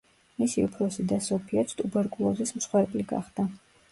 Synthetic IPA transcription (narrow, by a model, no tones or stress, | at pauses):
misiupʰɾɔsid̪asɔpʰiɛt̪st̪ʼubɛɾkʼulˠɔzism̩sχwɛɾbʼliɡa̰χd̪a